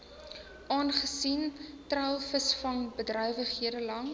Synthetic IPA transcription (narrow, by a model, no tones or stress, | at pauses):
ʔɑːnχəsintrœlˠfəsfɐnbədrœjvəχɦiədəlɐŋ